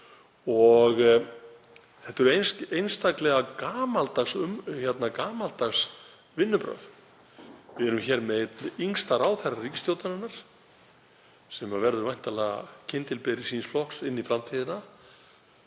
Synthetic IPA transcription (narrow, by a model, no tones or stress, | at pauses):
ɔɣ | θɛht̪ɛɾʏejnsejnst̪aklɛɣakaːmalt̪axsʏmçjɛt̪nakaːmalt̪axs | vɪnːʏpɾœ̰ð | vɪɛɾʏmçɛɾmɛt̪iŋst̪aɾaːwθɛrariːcɪst̪jowt̪ananːaɾ̥ | sɛmavɛɾðʏɾvajn̥t̪alɛːɣa̰cʰɪnt̪ɪlpɪɾɪsiːnsflɔhksɪnːifɾamt̪ʰiðɪna